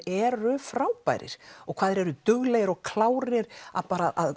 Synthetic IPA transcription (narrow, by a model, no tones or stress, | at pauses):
ɛɾʏfɾawpa̰jɾɪ̰ɾ̥ɔɣkʰv̥aːðɪɾɛɾʏt̪ʏɣlɛːjɣɪɾɔɣkʰlaːwɾɪɾa̰ðpaːɾaʔa̰ð